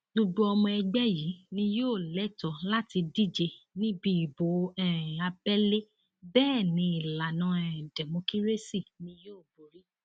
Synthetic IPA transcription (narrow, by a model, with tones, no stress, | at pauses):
lu˧ɡ͡bu˧ɔ˧mɔ̃˧ɛ˧ɡ͡bɛ˦ji˨˦nĩ˧joː˦˨lɛ˨˦tɔ˨la˦ti˧di˦d͡ʒe˧ | nĩ˦bi˧˦i˨bo˨˦ɛ˨a˧bɛ˦le˦ | bɛː˦˨nĩ˧˦i˨la˨nã˨˦ɛ˨dɛ˨mõ˧ki˦ɾe˦si˦˨nĩ˧joː˦˨bo˨ɾi˨˦